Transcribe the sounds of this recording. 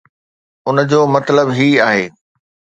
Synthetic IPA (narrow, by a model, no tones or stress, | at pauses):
ʊnd͡ʑoːmɐt̪ləbɦiaːɦeː